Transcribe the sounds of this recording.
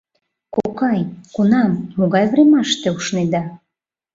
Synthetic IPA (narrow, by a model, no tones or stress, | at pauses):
kokɑjkunɑmːoɣɑjvɾemɑʃt̪euʃned̪ɑ